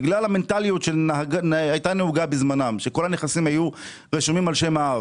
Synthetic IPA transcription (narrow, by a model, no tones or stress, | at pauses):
ɡlalhame̞ntalijutʃenaɡanajtanehuɡabizmanamʃe̞ko̞lhaneχasimhaju | ʁeʃumimalʃe̞maav